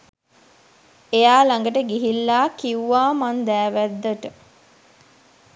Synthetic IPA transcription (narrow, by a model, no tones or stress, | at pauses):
ejaːlaŋɡəʈəɡiɦilːaːkiuʋaːmand̪æːʋæd̪ːəʈə